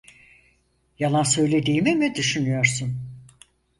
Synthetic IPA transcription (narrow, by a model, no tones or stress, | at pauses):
jalˠansø̞jlʲe̞d̪iːmimid̪yʃynyjo̞ɾsun